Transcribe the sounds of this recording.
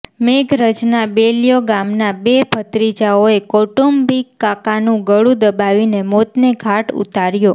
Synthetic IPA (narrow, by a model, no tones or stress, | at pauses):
meɡʱɾəd͡ʒnabelijoɡamnabepʰət̪ɾid͡ʒaoekoʈumbikːakanũɡəɭud̪əbaʋinemot̪neɡʱaʈṵt̪aɾjo